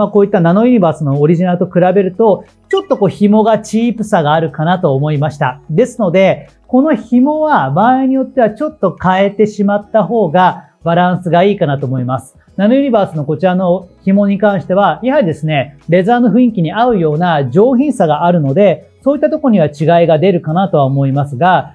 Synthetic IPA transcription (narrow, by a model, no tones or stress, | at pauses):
makoːit̪ːanano̞iɲ̟ʲibaːsɨno̞ːɾʲiʑinaɾɯ̟t̪o̞kɯ̟ɾabe̞ɾɯ̟t̪o̞ | t͡ɕo̞t̪ːo̞ko̞ːçimo̞ɡat͡ɕiːpɯsaɡaːɾɯ̟kanat̪o̞ːmo̞imaɕi̥t̪a̰d̪e̞sɨno̞d̪e̞ | ko̞no̞çimo̞βabaːiɲ̟ijo̞t̪ːe̞βat͡ɕo̞t̪ːo̞kae̞t̪e̞ɕimat̪ːaɦo̞ːɡa | baɾãɰ̃sɨɡaiːkanat̪o̞ːmo̞imasɨ̥ | nanɯɯɲ̟ibaːsɨno̞ko̞t͡ɕiɾano̞çimo̞ɲ̟ikãɰ̃ɕi̥t̪e̞βajahaɾʲid̪e̞sɨne̞ɾe̞zaːnoɸɯ̟ĩŋkʲiɲ̟iaɯ̟jo̞ːnaʑo̞ːçʲĩɰ̃saɡaʔaɾɯ̟no̞d̪e̞ | so̞ːit̪ːat̪o̞koɲ̟iβ̞at͡ɕiɡaiɡad̪e̞ɾɯ̟kanat̪o̞βaomo̞imasɨɡa